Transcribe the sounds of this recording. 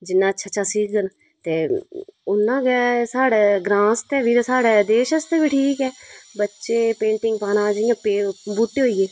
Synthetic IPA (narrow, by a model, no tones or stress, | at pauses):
d͡ʒɪnːãːətːʃʰaːt͡ʃʰaːsiːkɡən | t̪eːʊnːãːɡɛːsaːɽeːɡɾãːst̪eːʋiːɾsaːɽeːd̪eːʃəst̪eːʋiːʈʰiːkɛːbətːʃeːpẽːɳʈɪ̃ŋɡ̚paːnãːd͡ʒəjãːpebuːʈːeːɦoːiːeː